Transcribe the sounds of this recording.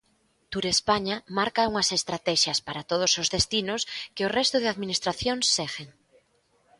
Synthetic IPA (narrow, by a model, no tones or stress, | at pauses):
t̪uɾespaɲamaɾkauŋɐsest̪ɾat̪ɛʃɐspaɾat̪oð̞ʊsozðest̪inʊskɪʊrɛst̪ʊðɪaðminist̪ɾaθjoŋsːɛɣeŋ